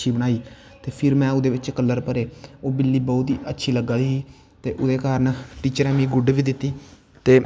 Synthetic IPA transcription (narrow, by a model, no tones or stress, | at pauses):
ʃʰiːbənaːiː | t̪eːpʰɪɾmɛ̃ːʊd̪eːʋɪt͡ʃkəlːəɾpəɾeːoːbɪlːiːbɔːt̪iːʔətːʃʰiːləɡaːd̪iːiː | t̪eːʔʊd̪eːkaːɾənʈiːt͡ʃəɾɛ̃ːmiːɡʊɖʋiːd̪ɪt̪ːiː | t̪eː